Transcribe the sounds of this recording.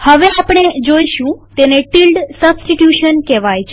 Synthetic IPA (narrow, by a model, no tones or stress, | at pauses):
həʋeapɽ̃ed͡ʒoiʃũt̪eneʈilɖsəbsʈiʈjuʃənkɛʋajt͡ʃʰe